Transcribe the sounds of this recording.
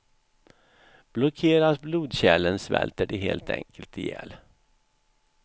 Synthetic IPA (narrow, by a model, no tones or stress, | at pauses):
b̥lɔkʰeːɾasbluːd̪ɕɛlːənsvɛ̰lt̪əɖɛɦeːlt̪ɛ̰ŋkəlt̪ɪjɛl